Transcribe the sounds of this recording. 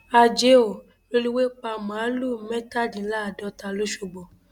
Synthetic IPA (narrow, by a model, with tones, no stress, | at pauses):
a˧d͡ʒe˧˦o˨ | ɾo˦ɾi˦we˦k͡pa˧mã˨˦lu˦˨mɛ˦ta˦˨di˨˦la˦˨dɔ˧˦ta˧lo˦ʃo˧ɡ͡bɔ˨